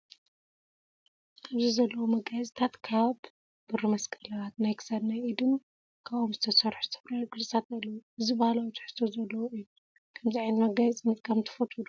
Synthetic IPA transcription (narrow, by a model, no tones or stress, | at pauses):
ʔaβzizɐlːɐwumɐɡajt͡sʼit̪ʰat̪kʰab | bɨrɨmɐskʰɐlɐβat̪najkʰɨ̥sɐd̪najid̪ɨm | kʰaβʔomzɨt̪ʰɐsɐɾħuzɨt̪ʰɐfɾaɾɡɨzʼɨt̪ʰat̪̚ɐlːɐwuɨzibɐhlawt̪ʰɨ̥ħɨ̥t̪ʰːozɐlːɐwoɨjːu | kʰɐmziʕajnmɐɡajt͡sʼinːɐt̪kʰɐmt̪ʰɨ̥fɐt̪ʼud̪u